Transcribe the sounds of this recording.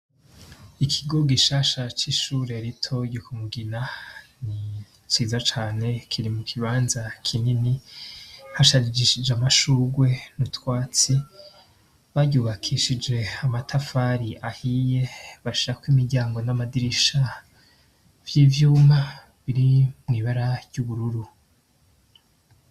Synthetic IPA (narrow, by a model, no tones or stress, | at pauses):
ikʰiɡo̞ɡiʃaːʃat͡ʃiʃuːɾeaɾitʰo̞ɟukumuɡinani | t͡ʃiːzat͡ʃaːne̞kʰiɾimukʰiβaːnzakʰinini | haʃaid͡ʒiʃid͡ʒeamaʃuːɡwe̞nutwaːt͡si | βaɟuːβakʰiʃid͡ʒe̞amatʰafaɾiʔahije̞βaʃiɾakwimiɾɟaːŋɡo̞namadiɾiʃa | v̥jiːvjuːma | βiɾimŋiːβaɾajuβuɾuɾu